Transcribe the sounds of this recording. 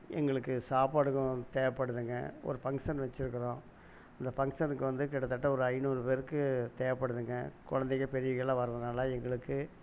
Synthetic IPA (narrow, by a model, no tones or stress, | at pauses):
ɛ̰ŋɡɐɭɯkːɯsaːpaːɽɯɣʊ̃t̪eːʋɐpːɐɽɯðɯŋɡɐ̰ɔ̰ɾɯfɐŋʂɐnʋɐt͡ʃːɪɾɯkːɐɾõː | ɐnd̪ɐfɐŋsɐnɯkːɯʋɐnd̪ɯkɪɽɐt̪ːɐʈːɐɔɾɯɐɪnuːɾɯpeːɾɯkːɯt̪eːʋɐpːɐɽɯðɯŋɡɐ̰kɔɻɐnd̪ɛkːɐpɛɾɪjɐɪɭãːʋɐɾɯʋɐnaːlaːɛŋɡɐɭɯkːɯ